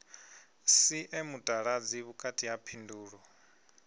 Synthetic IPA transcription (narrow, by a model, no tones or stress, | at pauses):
siʔɛmutʼaɺad͡ziβukʼatʰʼijapʰinduːɺɔ